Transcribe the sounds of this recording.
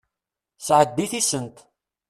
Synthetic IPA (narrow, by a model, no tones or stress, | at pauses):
sʕəd̪̚d̪iθisənt̪